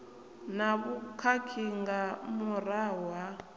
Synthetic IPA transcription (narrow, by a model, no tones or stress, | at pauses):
naβukʰakʰiŋɡamurawa